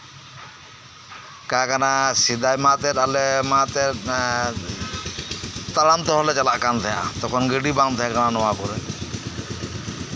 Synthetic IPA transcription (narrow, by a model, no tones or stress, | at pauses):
kakanasid̪ajmat̪ɛɾalɛmãt̪ɛ | t̪alamt̪ɔɦɔlɛt͡ʃalaʔkant̪ʰɛja̰t̪ɔkʰɔnɡəɖibaŋt̪ʰɛjakananɔwakɔɾɛ